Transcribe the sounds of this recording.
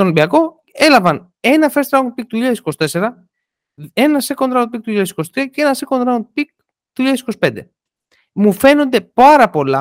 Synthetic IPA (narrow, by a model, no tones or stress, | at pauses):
onbiɐko̞ | e̞lɐvɐn | e̞nɐfest̪ɾɐon̚pik̚t̪uuʎɐðesi̥ko̞si̥t̪e̞se̞ɾɐ | e̞nɐseko̞nd̪ɾɐopikt̪uuʎɐðesi̥kosi̥t̪ɾiɐceenɐse̞ko̞nd̪ɾɐon̚pik̚ | t̪uʎɐðesiko̞si̥pend̪e̞̰ | mufe̞no̞nd̪e̞pɐɾɐpo̞lɐ̰